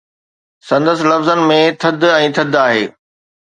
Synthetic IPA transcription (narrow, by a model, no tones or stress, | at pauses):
sɐ̃nd̪əsɪ̆lɐfzənɪ̆mẽt̪ʰɐd̪ʱɛ̃ːt̪ʰɐd̪aːɦḛː